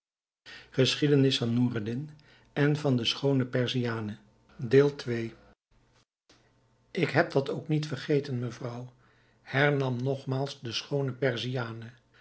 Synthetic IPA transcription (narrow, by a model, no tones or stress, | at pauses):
χəsχidənɪsfɑnːuːradɪn | ɛnvɑndəsχownəpɛɹziaːnə | deːlˠtʋej | ʔɪkɦɛp̚dɑtowknitfərχejtənməvrʌw | hɛɹnɑmnɔχmaːlˠzdəsχownəpɛɹzijaːnə